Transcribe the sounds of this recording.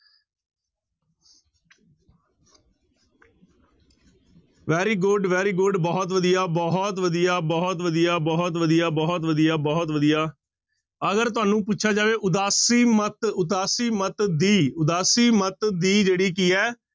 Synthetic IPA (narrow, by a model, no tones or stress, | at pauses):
ʋɛːɾiːɡʊɖʋɛːɾiːɡʊɖbɔːt̪ʋəd̪ijaːbɔɦɔt̪ʋəd̪ijaːbɔːt̪ʋəd̪ijaːbɔːt̪ʋəd̪ijaːbɔːt̪ʋəd̪ijaːbɔːt̪ʋəd̪ijaː | əɡəɾt̪̬ʊaːnũːp̬ʊtːʃʰaːd͡ʒaːʋeːʔʊd̪aːsiːmət̪ʊt̪aːsiːmət̪d̪iːʊd̪aːsiːmət̪d̪iːd͡ʒeːɽiːk̬iːɛː